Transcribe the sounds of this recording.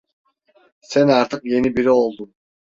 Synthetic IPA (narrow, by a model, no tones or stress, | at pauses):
sænaɾt̪ʰɯkje̞nibiɾio̞lˠd̪um